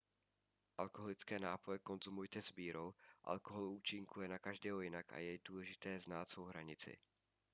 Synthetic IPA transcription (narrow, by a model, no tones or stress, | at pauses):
ʔalkoɦolɪt͡skɛːnaːpo̞jɛko̞nzumujt̪ɛzbiːɾo̞wʔa̰lkoɦo̞luːt͡ʃɪŋkujɛnakaʒdɛːɦojɪnaka̰jɛduːlɛʒɪt̪ɛːznaːt̪svowɦɾaɲɪt͡sɪ̰